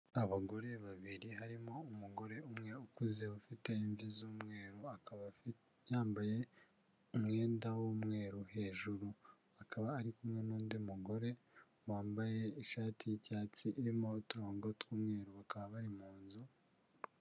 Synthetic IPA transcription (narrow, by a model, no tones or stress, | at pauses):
aβaɡo̞ɾe̞βaβiɾiɦaɾimo̞umuɡo̞ɾe̞umŋe̞ukuze̞ufite̞iɱvizuːmŋe̞ːɾuakβ | jaːmbaje̞ | umŋe̞ːndawomŋe̞ːɾuhe̞ːʒuɾu | akaβaːɾikumŋe̞nuːndiumuɡo̞ɾe̞ | waːmbaje̞iʃaːtʰijicaːt͡siʔiɾimo̞tuɾoːŋɡotwuːmŋe̞ːɾuβakaβaβaɾimuːnzu